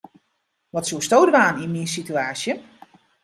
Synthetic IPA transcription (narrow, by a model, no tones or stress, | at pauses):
ʋɔtsustoːdʋaːninmisityaːsjə